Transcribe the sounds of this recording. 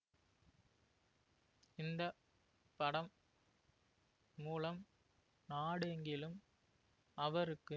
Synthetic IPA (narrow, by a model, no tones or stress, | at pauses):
ɪnd̪ɐ | pɐɽɐm | muːlɐm | naːɽeŋɡɪlɯm | ɐʋɐɾɯkːɯ